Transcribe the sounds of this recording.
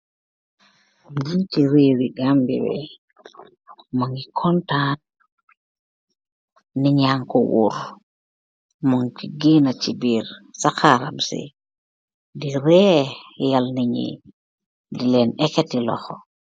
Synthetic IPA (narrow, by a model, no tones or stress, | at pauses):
d͡ʒitiɾiɾiɡambḭbɛ̰ | moŋɡikʰɔntan | niɲaŋkɔwṵɾ | moŋt͡ʃiɡinat͡ʃibiɾsakaɾa̰msḭ | diɾɛjalniɲḭ | dilɛnɛkɛtilɔ̰xɔ